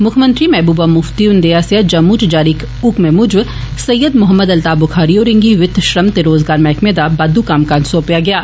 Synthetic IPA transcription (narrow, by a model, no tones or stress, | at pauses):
mʊkʰmə̃nt̪ɾimɛːbuːbamʊft̪iʊnd̪ejaːsjad͡ʒɐmuːt͡ʃd͡ʒaːɾik | ukmẽmʊd͡ʒʋsɐjːəd̪mʊɦəmːəd̪ɐlt̪aːbʊkʰaːɾioːɾɪ̃ŋɡiʋɪt̪ʰːʃɾɐmt̪eɾoːzɡaːɾmɛːkʰmẽːd̪aːbaːd̪ukaːmkãːnsoːpijaɡɐjaː